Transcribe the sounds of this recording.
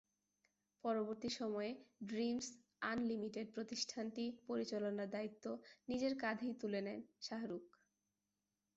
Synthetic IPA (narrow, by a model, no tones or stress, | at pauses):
pɔɾoboɾt̪iʃɔmɔeɖɾims | anlimiʈeɖ̚pɾot̪iʃʈʰanʈipoɾit͡ɕalonaɾd̪ait̪ːonid͡ʑeɾkad̪ʱijt̪ulenɛnʃaɦaɾuk